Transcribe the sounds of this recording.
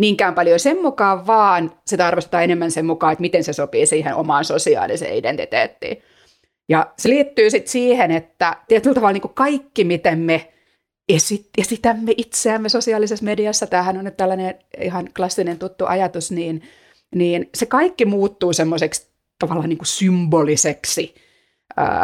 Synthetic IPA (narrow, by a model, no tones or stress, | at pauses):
niːŋkæumpɑljosemmukɑːʋʋɑːnsit̪ɑrʋest̪et̪ɑːenemːænsemmukɑːet̪mit̪ensesopiːsiːhenʔo̰mɑːnsosiɑ̰ːlḭsḛːidḛnt̪ḭt̪ḛːt̪ːḭː | jɑseliːt̪ːyːsit̪siːhenet̪ːæt̪iæt̪ylt̪ɑʋɑlniːŋkukɑikːimit̪emme | esit̪jɑsit̪æmːeʔit̪seæmːesosiɑlisesmediɑsːɑt̪æːhænonyt̪t̪ælːæneḭhɑnklɑsːinent̪ut̪ːuʔɑjɑt̪usniːn | niːnsekɑikːimuːt̪ːuːsemːoseks | t̪ɑʋɑlːɑːniːŋkusymboliseksi | ə̰ː